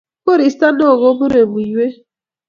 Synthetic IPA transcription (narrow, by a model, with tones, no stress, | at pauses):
ko˦ɾi˨˦sta˦no˦˨ɣo˦bʊ˦ɾe˨mu˨i˨we˦